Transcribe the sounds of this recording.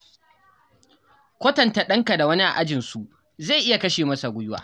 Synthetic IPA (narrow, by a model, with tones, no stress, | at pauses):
kʷo˦tɐ˨nta˨ɗɐ˦ŋka˨da˨wɐ˦ni˦ʔa̰˨ʔa˦d͡ʒɪ˨nsu˨ | za˦˨jʔɪ˦ja˨kɐ˦ʃeː˨mɐ˦sa˨ɡʷʊ˦jʊ˦wa̰ː˨